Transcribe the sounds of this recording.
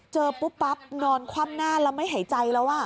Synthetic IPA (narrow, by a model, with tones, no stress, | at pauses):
t͡ɕɤː˧pu˦˥pːa˦˥p̚nɔː˧nkʰwaː˥˩mnaː˥˩lɛ˦˥wma˥˩jɦa˨˩˦jt͡ɕa˧jlɛ˦˥waː˥˩